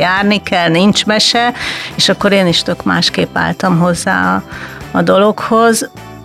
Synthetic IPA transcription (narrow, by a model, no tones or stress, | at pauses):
jaːrnikɛlnint͡ʃmɛʃɛeːʃɒkːo̞ɾeːniʃt̪økma̰ːʃkeːpːa̰ːlt̪ɒmɦo̞zːa̰ːɒːd̪o̞lo̞kho̞z